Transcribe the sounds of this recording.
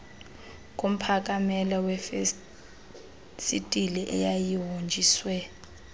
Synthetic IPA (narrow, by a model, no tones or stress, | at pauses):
k̬ʼom̩pʰak̬ʼamɛlɔwɛf | sitʼiliʔɛ̰jajiwond͡ʒʱiːswɛ